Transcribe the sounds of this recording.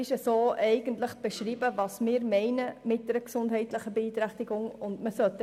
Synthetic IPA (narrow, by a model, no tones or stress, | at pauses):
ɪʃəsoːʔɛɪɡ̥əntləχb̥ɛʃɾiːbəvɑːsmɪːɾmɛɪnəmɪt̚d̥ɛɾəksʊndɦɛɪtləχəbeiːt̪ɾæχtiɡʊŋʊndməsœtː